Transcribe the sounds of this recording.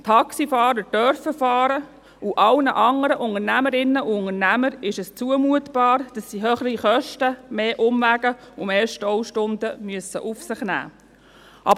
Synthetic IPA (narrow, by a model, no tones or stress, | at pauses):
t̪ʰɑksifɑːɾəd̥œɾfəfɑːɾə | uʔɑlnəʔɑŋəɾəʔʊŋəɾnæməɾɪnːəʔuʊŋənæməɾɪʃɛst͡suəmuətb̥ɑːɾd̥ɑsːiɦøːχəriχœʃtəmeːʔʊmvæɡəʊmeːʃtɔwʃtʊndəmyəsə̰ʔufsɪχnæ̰ː | ʔɑbə